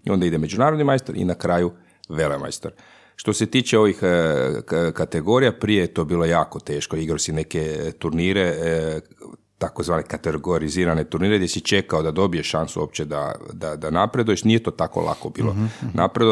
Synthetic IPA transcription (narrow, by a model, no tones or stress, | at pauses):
io̞nd̪aid̪eme̞d͡ʒunaːɾod̪nimajst̪aɾḭnakɾaːju | ʋelema̰jst̪aɾ | ʃt̪o̞se̞t̪iːt͡ʃe̞o̞ʋix | kat̪e̞ɡo̞ɾijapɾijejet̪o̞ːbiːlo̞jaːko̞t̪e̞ːʃkoiɡɾaosine̞ke̞t̪uɾniːɾe | t̪ako̞zʋaːnekat̪eɡoɾiziːɾane̞t̪uɾniːɾeɡd̪ʲjesit͡ʃe̞kaod̪ad̪o̞bijeʃansṵop̚t͡ʃed̪a̰d̪ad̪anapɾed̪uje̞ʃnijet̪o̞ːt̪ako̰lˠa̰kobḭːlˠo̰na̰pɾed̪